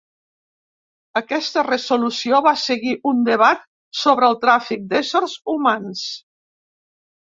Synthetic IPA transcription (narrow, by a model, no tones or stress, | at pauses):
əkɛst̪ərəzulusioβasəɣiʔund̪əβat̪̚ | soβɾəlˠt̪ɾafik̚d̪ɛsəɾzumans